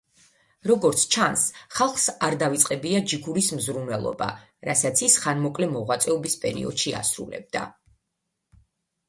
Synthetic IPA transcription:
ɾɔɡɔɾt̪sʰt͡ʃʰansχalˠχsaɾd̪avit̪sʼqʼɛbiad͡ʒiɡuɾismzɾunvɛlˠɔ̰ba̰ | ɾasat̪sʰisχanmɔkʼlɛmɔʁwat̪sʼɛɔbispʼɛɾḭɔ̰d̪̥ʃia̰sɾṵlɛ̰b̚d̪̥a̰

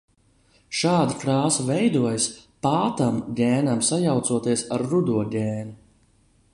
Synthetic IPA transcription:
ʃaːd̪akɾaːsuvɛjd̪uɔjaspaːt̪amɡɛːnamsajawt̪suɔt̪iɛsaɾːud̪uɔɟʲɛːnu

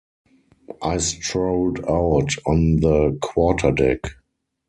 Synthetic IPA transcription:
ʔaɪstɹoʊldaʊtɔ̃nðəkʰwɔtʰədɛk

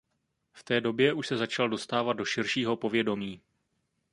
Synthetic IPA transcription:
ft̪ɛːdo̞bjɛʔuʃsɛzat͡ʃaldo̞st̪aːvad̪̚do̞ʃɪɾʃiːɦo̞po̞vjɛdo̞miː

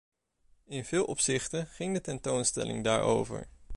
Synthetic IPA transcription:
ɪnvɪːlˠʔɔpsɪχtəχɪŋdətɛntownstɛ̰lɪ̰ŋdaːɹʔo̰wvə̰ɹ

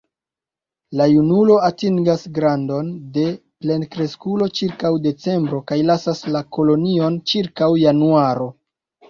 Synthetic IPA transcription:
lajunulo̞atiŋɡasɡɾando̞nde̞ple̞nkɾe̞skulo̞t͡ʃiɾkawde̞t͡se̞mbɾo̞kajlasaslako̞lo̞nio̞nt͡ʃiɾkawjanuaɾo̞

